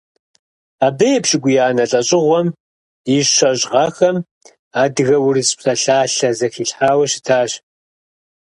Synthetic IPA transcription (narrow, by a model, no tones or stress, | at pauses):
aːbɐjɛpɕɪɡʷʊjaːnɐɬʼɐɕʼɪʁʷɔm | iɕɕʷɐʑʼʁɐxɐm | aːdɨɣɐwʊrispsɐɬaːɬɐzɐxiːɬħaːwɐɕɪ̥tʰaːɕ